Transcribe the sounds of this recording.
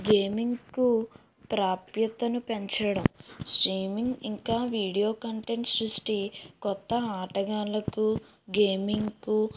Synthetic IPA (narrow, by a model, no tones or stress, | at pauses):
ɡe̞ːmiŋɡku | pɾaːpjɐt̪ɐnupe̞ɲt͡ʃɐɽɐmsʈɾiːmiŋɡiŋkaːʋiːɽijo̞ːkɐɳʈe̞ɳʈsɾusʈikɔt̪ːɐaːʈɐɡaːlɐku | ɡe̞ːmiŋɡku